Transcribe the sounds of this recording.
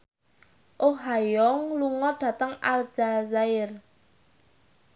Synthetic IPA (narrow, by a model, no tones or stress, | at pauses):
ʔoɦajɔŋluŋɔɖ̥a̤t̪əŋa̰ld͡ʒ̥azaɪr